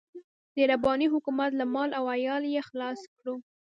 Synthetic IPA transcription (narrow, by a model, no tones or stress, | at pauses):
d̪̥əɾabɑniɦʊkumat̪lamɑlawajɑljexlɑskɽu